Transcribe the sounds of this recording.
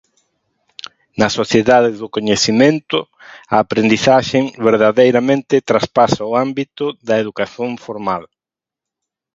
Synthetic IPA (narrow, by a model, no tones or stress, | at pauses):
nɐsoθjeðaðɪðʊkoɲeθimẽnt̪ʊ | ɐːpɾend̪iθaʃeŋβeɾðaðejɾamẽnt̪ɪt̪ɾaspasaʊambit̪ʊðɐeðukaθjõɱfoɾmal